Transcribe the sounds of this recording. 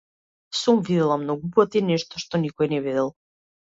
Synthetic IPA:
sumvid̪ɛlˠamnɔɡupɔt̪inɛʃt̪ɔʃt̪ɔnikɔjɛnɛvid̪ɛlˠ

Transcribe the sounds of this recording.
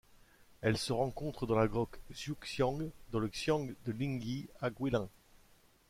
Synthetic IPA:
ɛlsəʁɑ̃kɔ̃t̪χəd̪ɑ̃laɡʁɔkzuksjɑ̃ɡd̪ɑ̃ləksjɑ̃ɡd̪əlĩŋɡʲiaɡwilɛ̃

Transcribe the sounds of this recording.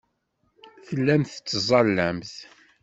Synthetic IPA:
θəlːæmθə̥t͡sːzˤɑlːæmθ

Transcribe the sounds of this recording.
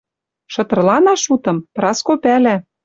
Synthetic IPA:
ʃɤ̆t̪ɤ̆rlɑnɑʃut̪ɤ̆mprɑskopælæ

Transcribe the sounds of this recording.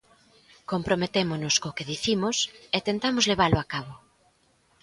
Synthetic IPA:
kompɾomet̪emonʊskokeðiθimʊset̪ent̪amozleβ̞aloakaβo

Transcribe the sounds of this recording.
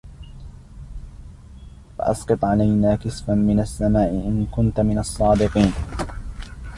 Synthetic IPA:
fa̰ʔɑ̰sqɨt̪ˤʕalajnaːkɨsfanmɪnasːamaːʔɪʔɪnkʊnt̪mɪnɑsˤːɑːd̪ɪqiːn

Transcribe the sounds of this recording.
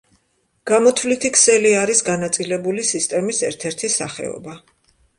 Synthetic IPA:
ɡ̥amɔt̪ʰvlit̪ʰikʰsɛliaɾisɡanat̪sʼilɛbulisist̪ʼɛmisɛɾt̪ʰɛɾt̪ʰisa̰χɛ̰ɔ̰ba

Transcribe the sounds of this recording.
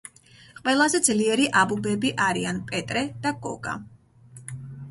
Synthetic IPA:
qʼwɛlˠazɛd̪zliɛɾiʔabubɛbiʔaɾianpʼɛt̪ʼɾɛd̪̥aɡɔ̰ɡa̰

